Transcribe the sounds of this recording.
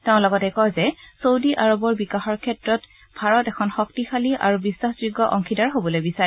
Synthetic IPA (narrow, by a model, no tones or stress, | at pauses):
teʊ̃lɔɡɔtɛkɔjzɛsowdiʔaɹɔbɔɹbikaxɔɹkʰɛtɹɔt | b̥ʱaɹɔtɛkʰɔnxɔktixalia̰ɹubisaxzuɡːɔʔɔ̰ŋkʰidaɹɦobɔlojbisaɹɛ